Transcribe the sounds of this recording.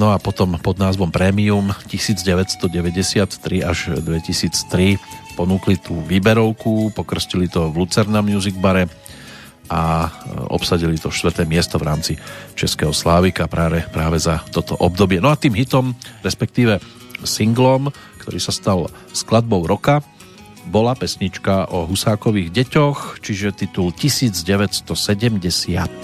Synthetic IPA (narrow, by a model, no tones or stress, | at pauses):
nɔapɔt̪ɔmpɔd̪naːzʋɔmpɾɛːmiumcisiːd͡zɟɛʋɛcst̪ɔɟɛʋɛɟɛsɪat̪ːɾia̰ʒd̪ʋɛcisiːt͡st̪ɾipɔnuːklit̪uːʋiːbɛɾɔʊkupɔkr̩scilit̪ɔʋlut͡sɛɾnamnjuziɡbaɾɛ | a | ɔ̰psaɟilit̪ɔʃt̪ʋr̩t̪ɛːmɪɛst̪ɔʋɾaːmt͡sit͡ʃɛskɛɦɔslaːʋikapɾaːʋɛpɾaːʋɛzat̪ɔt̪ɔʔɔb̚d̪ɔbɪɛnɔat̪iːmɦit̪ɔmɾɛspɛk̚t̪iːʋɛ | siŋɡlɔm | kt̪ɔɾiːsast̪al | sklad̪̚bɔʊɾɔka | bɔlapɛsɲit͡ʃkaʔɔɦusaːkɔʋiːɣɟɛcɔxt͡ʃiʒɛt̪it̪ulcisiːd͡zɟɛʋɛcst̪ɔsɛɟɛmɟɛsɪat̪̚